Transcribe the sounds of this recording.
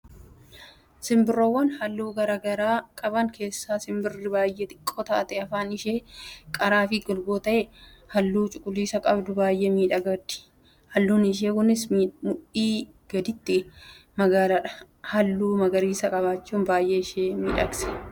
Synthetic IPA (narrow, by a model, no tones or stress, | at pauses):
sɪmbɪrːowːɐnhɐlːuːɡɐɾɐɡɐɾaːkʼɐbɐŋkʰe̞ːsːaːsɪmbɪrɪbaːjːet̪ʼɪ̥kʼːoːt̪a̰ʔt̪ɛɐfaːnɪʃeːkʼɐɾaːfɪɡɔlɡoːt̪ɐʔɛ | hɐlːuːt͡ʃʼʊkʼʊliːsɐkʼɐbd̪ʊbaːjʔeːmiːᶑɐɡɐd̪ɪ̥ | hɐlːuːnɪʃ̬eːkʊnɪsmʊʔiː | ɡ̥ɐd̪ɪt̪ːɪmɐɡaːlɐᶑɐ̥ | hɐlːuːmɐɡɐɾiːsɐkʼɐβaːt͡ʃːuːnbaːjʔeːɪʃeːmiːᶑɐɡsɛ̥